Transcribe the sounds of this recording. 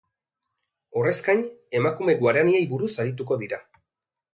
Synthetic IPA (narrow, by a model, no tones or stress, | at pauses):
o̞re̞skaɲe̞makume̞ɡwaɾaniejbuɾusaɾit̪̬uko̞ðiɾa